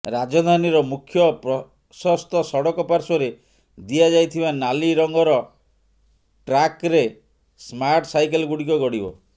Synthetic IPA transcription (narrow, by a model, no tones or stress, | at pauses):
ɾad͡ʒɔd̪ʱaniɾɔmukʰjɔpɾɔ | sɔst̪ɔsɔɽɔkɔpaɾsɔɾe | d̪iad͡ʒajt̪ʰibanaliɾɔŋɡɔɾɔ | ʈɾakɾe | smaɾʈsajkelɡuɽikɔɡɔɽibɔ̰